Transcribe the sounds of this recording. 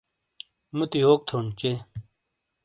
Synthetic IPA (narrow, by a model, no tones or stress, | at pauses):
mut̪iɦoːk̚t̪ʰoːnt͡ɕe